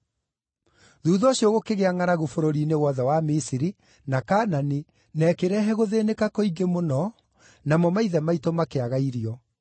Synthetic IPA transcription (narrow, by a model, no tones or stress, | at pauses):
ðuːðɔɕjoɣokeɣeaŋaɾaɣofoɾoɾinewɔðɛwamisiɾi | nakaːnani | nɛːkeɾɛɦɛɣoðeːnekakoiŋɡemonɔ | namɔmaiðɛmaitomakeaɣaiɾiɔ